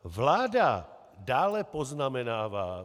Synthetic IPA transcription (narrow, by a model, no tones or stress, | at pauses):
vlaːda | daːlɛpoznamɛnaːvaː